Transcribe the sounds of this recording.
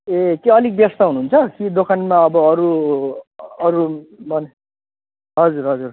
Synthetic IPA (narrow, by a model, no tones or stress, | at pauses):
ekeʌlik̚bjʌst̪aɦunuɦːunt͡sʰʌkid̪okʰanmaʌbʌʌɾu | ʌɾubʌne | ɦʌd͡zuɾɦʌd͡zur